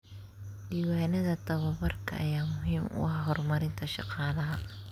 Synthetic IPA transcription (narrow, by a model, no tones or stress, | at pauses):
ɖiːwaːnɐðɐt̪ɐβɐβɐrkʰɐ̰ʔɐ̰jaːmʊɦiːmʊ̰ɑhɦɔrmɐɾɪnt̪ʰɐʃɑ̰qɑːlɐɦɐ